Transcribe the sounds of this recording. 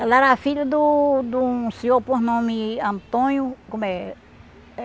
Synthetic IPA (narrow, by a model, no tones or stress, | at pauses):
laɾafiʎɐd̪ud̪ũsiopoɦnõmiɐ̃nt̪õɲjukõme